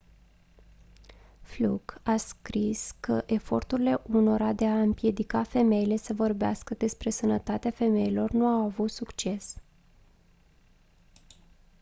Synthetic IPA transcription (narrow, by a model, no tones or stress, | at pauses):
fluɡaskɾiskəʔe̞fo̞rt̪uɾile̞ʔuno̞ɾad̪e̞aɨmpje̞d̪ikafe̞me̞ile̞səvo̞rbea̰skəd̪e̞spɾe̞sənət̪at̪eafe̞me̞ilo̞rnuawavut̪sukt͡ʃe̞s